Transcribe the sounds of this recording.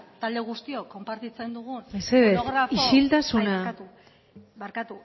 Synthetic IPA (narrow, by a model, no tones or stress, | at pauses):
t̪ald̪e̞ɣ̞ust̪io̞ko̞mpaɾt̪it͡se̞nd̪uɣ̞uneseðeoɾafiʃilt̪asunat̪u | baɾkat̪u